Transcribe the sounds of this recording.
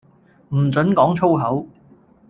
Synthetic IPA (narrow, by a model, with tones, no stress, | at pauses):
m̩˨˩t͡sɵ˨˥nkɔː˨˥ŋt͡sʰo˥wɦɐ˨˥w